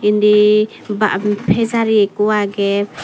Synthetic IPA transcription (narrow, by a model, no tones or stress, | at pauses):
indi | baʔpʰɛzaɾiɛkuaɡɛ